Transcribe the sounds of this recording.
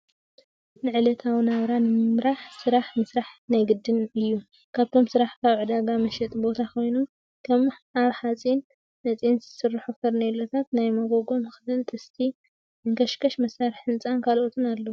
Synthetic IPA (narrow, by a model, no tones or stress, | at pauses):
nɨʕɨlɐt̪ʰawnaβɾanɨmɨmɾaħsɨɾaħmɨsɾaħnajɡɨd̪ːɨnɨjːu | kʰaβt̪ʰo̞msɨɾaħkʰaβʕɨd̪aɡamɐʃɛt̪ʼbo̞t̪ʰakʰo̞jnu | kʰɐmaβħat͡sʼin | nɐt͡sʼinzɨsɨrːɨħufɐɾnelot̪ʰat̪najmɐɡo̞ɡo̞mɨxɨlɨnt̪ʼʰɨst̪ʰi | ɨŋkʰɐʃkɐʃmɐsaɾħɨnt͡sʼankʰalʔot̪ʰɨnalːo